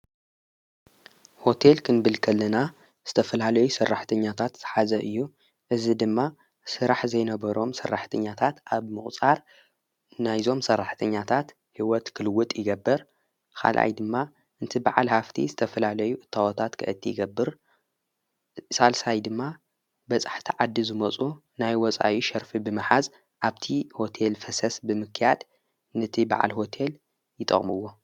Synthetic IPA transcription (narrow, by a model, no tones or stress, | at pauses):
ho̞t̪ʰe̞lkʰɨnbɨlkʰɐlːɐna | z̥ɨt̪ʰɐfɐlalɐjusɐrːaħt̪ʰɐɲːat̪ʰat̪z̥ɨħazɐʔɨjːu | ʔɨzid̪ɨmːa | sɨɾaħzɐjnɐβɐɾo̞msɐrːaħt̪ʰɐɲːat̪ʰat̪ʔaβmɨχʼt͡sʼaɾ | najzo̞msɐrːaħt̪ʰɐɲːat̪ʰat̪ | hiwɔt̪kʰɨlɨwːʊt̪ʼjɪɡɐbːɨɾ | kʰa̰lʔa̰jd̪ɨmːa | ʔɨnt̪ʰibaʕalhaft̪ʰḭzɨt̪ʰɐfɐlalɐjuʔɨt̪ʰːawɔt̪ʰat̪kʰɨ̰ʔɨt̪ʰːijɪɡɐbːɨɾ | salsajd̪ɨmːa | bɐt͡sʼḁħt̪ʰiʕad̪ːizɨmɐt͡sʼu | najwɔt͡sʼa̰ʔjiʃɐɾfibɨmɨħaz | ʔaβt̪ʰiho̞t̪ʰe̞lfɐsɐsbɨmɨkʰːjad̪ | nɨt̪ʰiba̰ʕa̰lho̞t̪ʰe̞l | jɪt̪ʼɐ̰χʼmɨwːo̞